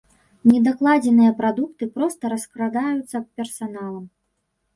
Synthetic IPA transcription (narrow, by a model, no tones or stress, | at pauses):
nʲɛd̪aklˠad͡zʲɛnɨjɐpɾad̪ukt̪ɨpɾɔst̪ɐɾɐskɾad̪ajut̪sːɐppʲɛrsanalˠɐm